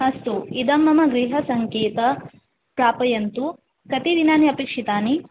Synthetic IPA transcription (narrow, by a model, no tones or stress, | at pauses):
ɦɐst̪uid̪ɐmɐmɐɡɾiɦɐsɐŋkeːt̪ɐ | pɾaːpɐjɐnt̪u | kɐt̪id̪inaːniɐpiːkʂit̪aːni